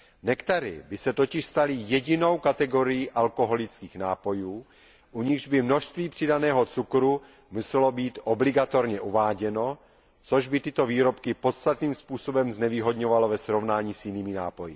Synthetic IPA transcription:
nɛkt̪aɾɪ̰bɪsɛt̪ocɪʃst̪alɪjɛɟɪno̞wkat̪ɛɡo̞ɾɪjiʔalko̞ɦo̞lɪt͡skiːxnaːpo̞juː | ʔuɲɪɣʒbɪmno̞ʃst̪viːpr̥ɪdanɛːɦot͡sukɾu | musɛlo̞biːt̪ʔoblɪɡat̪o̞ɾɲɛʔuvaːɟɛno̞ | t͡so̞ʒbɪt̪ɪt̪o̞viːɾo̞pkɪpo̞t̪st̪at̪niːmspuːso̞bɛmznɛviːɦo̞d̪ɲo̞valovɛsɾovnaːɲiːsjɪniːmɪna̰ːpo̞jɪ

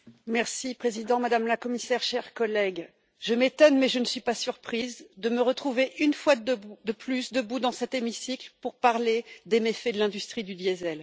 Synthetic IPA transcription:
mɛʁsipχezid̪ɑ̃mad̪amlakɔmisɛʁʃɛʁkɔlɛɡ | ʒ̥əmet̪ɔnmɛʒənəsɥipasyʁpχizd̪əməʁət̪χuveʔynfwad̪əplysd̪əbud̪ɑ̃sɛt̪emisiklpuʁpaʁled̪emefɛd̪əlɛ̃d̪yst̪χid̪yd̪jɛzɛl

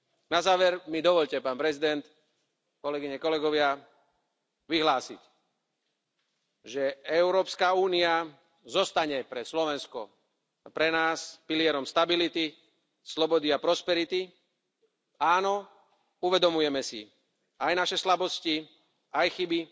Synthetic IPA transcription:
nazaːʋɛɾmid̪ɔʋɔʎcɛpaːnpɾɛzid̪ɛnt̪ | kɔlɛɡiɲɛkɔlɛɡɔʋɪa | ʋiɦlaːsḭc | ʒɛɛʊɾɔːpskauːnia | zɔst̪aɲɛpɾɛslɔʋɛnskɔ̰ | pɾɛnaːspiliɛɾɔmst̪abilit̪i | slɔbɔd̪iapɾɔspɛɾit̪i | aːnɔ | uʋɛd̪ɔmujɛmɛsḭ | ajnaʃɛslabɔsci | ajxibi

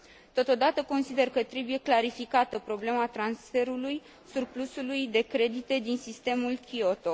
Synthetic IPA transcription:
t̪o̞t̪o̞d̪at̪əko̞nsid̪e̞rkət̪ɾe̞buje̞klaɾifikat̪əpɾo̞ble̞mat̪ɾansfe̞ɾuluj | surplusulujd̪e̞kɾe̞d̪it̪e̞d̪insist̪e̞mulkʲio̞t̪o̞

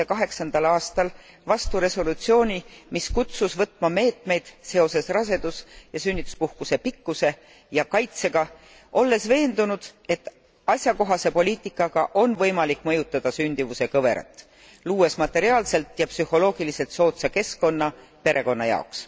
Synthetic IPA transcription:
ekɑɦe̞ksɑnd̪̥ɑlɑːst̪ɑl | vɑst̪uɾe̞so̞lut̪sio̞ːnʲimiskut̪susvɤt̪ːˑmɑme̞ːt̪ˑme̞jd̪̥se̞o̞se̞srɑse̞d̪̥usjɑsynːit̪ːu̥spuhkuse̞pikːuse̞ | jɑkɑjt̪se̞ɡ̥ɑ | ʔo̞lːe̞sve̞ːnd̪̥unud̪̥e̞t̪ːˑ | ɑsʲjɑko̞ɦɑse̞po̞liːt̪ˑikːˑɑɡ̥ɑʔo̞nvɤ̞jmɑlikːˑmɤjut̪ːˑɑd̪̥ɑsynʲd̪̥ivuse̞kɤve̞ɾɑ̰t̪ːˑ | luːe̞smɑt̪ːˑe̞ɾiɑːlse̞lt̪jɑpsyho̞lo̞ːɡ̥ilise̞lt̪so̞ːt̪sɑke̞sko̞nːɑ | pe̞ɾʔe̞ko̞nːɑ̰jɑ̰oks

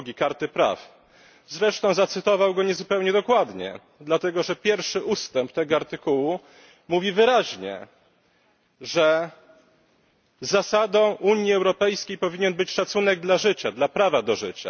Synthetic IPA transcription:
ɡʲikaɾt̪ɘpɾa̰f | zɾɛʂt̪ɔ̃w̃zat̪sɘt̪ɔvawɡɔɲɛzupɛwɲɛd̪ɔkwad̪ɲɛ̰ | d̪lat̪ɛɡɔʐɛpʲjɛɾfʂɘʔust̪ɛmp̚t̪ɛɡɔaɾt̪ɘkuwu | muvʲivɘɾaʑɲɛ̰ | ʐɛ | zasad̪ɔ̃w̃ʔuɲjiɛwɾɔpɛjskʲejpɔvʲiɲɛnbɘt͡ɕʂat̪sunɛɡ̚d̪laʐɘt͡ɕad̪lapɾavad̪ɔʐɘt͡ɕa̰

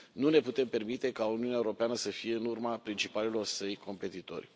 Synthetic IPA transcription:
nune̞put̪e̞mpe̞rmit̪e̞kauniunaeuɾo̞peanəsəfije̞ɨnurmapɾint͡ʃipalelo̞rsəjkʰo̞mpe̞t̪it̪o̞̰rʲ

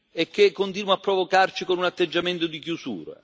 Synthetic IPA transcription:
ek̟ːekːont̪inwapːɾovokart͡ʃikonunat̪ːed͡ʒːament̪ʊd̪ikjusṵːɾḛ

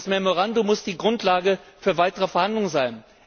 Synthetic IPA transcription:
smɛmoʁ̞andomʊsd̥iːɡʁʊntʰlaːɡəfyːɐvaɪtəʁəfɛɐhandlʊŋəzaɪn

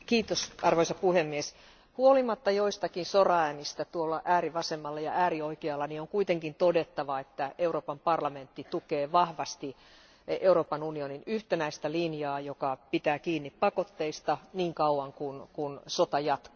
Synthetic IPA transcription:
kiːt̪osɑrʋoisɑpuhemːies | huolimɑt̪ːɑjoist̪ɑkinsorɑæːnist̪æt̪uolːɑʔæːriʋɑsemːɑlːɑjɑʔæːrioikeɑlːɑnioŋkuit̪eŋkint̪odet̪ːɑʋɑet̪ːæeuroːpɑmpɑrlɑment̪ːit̪ukeːʋɑhʋɑst̪i | euroːpɑnunioninyht̪enæist̪ælinjɑːjokɑpit̪æːkiːnːippɑkot̪ːeist̪ɑniːŋkɑuwɑŋkunkunsot̪ɑjɑt̪ko̥

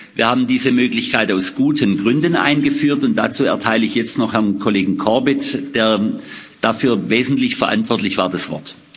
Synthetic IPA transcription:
v̥iːɐhaːbm̩diːzəmøːklɪçkʰaɪtaʊsɡ̥uːtʰənɡʁʏndnʔa̰ɪnɡəfyːɐtʊnt̚d̥at͡suːɛ̰ɐtʰaɪləɪçjɛt͡stnɔχhɛɐnkʰoleːɡŋ̩kʰɔɐbɪtd̥eːɐ | d̥afyːɐveːzn̩tlɪçfɛɐʔa̰ntv̥ɔɐtlɪçv̥a̰ːɐdasv̥ɔ̰ɐt

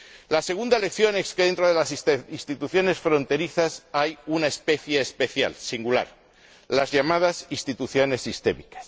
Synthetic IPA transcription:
lase̞ɣ̞und̪aele̞kθjo̞neskeðent̪ɾoð̞e̞lasist̪it̪uθjo̞ne̞sfɾo̞nt̪e̞ɾiθasajunaespe̞θjeːspe̞θja̰lsiŋɡula̰ɾ | lazʝamað̞asist̪it̪uθjo̞ne̞sːist̪e̞̰mikḁs

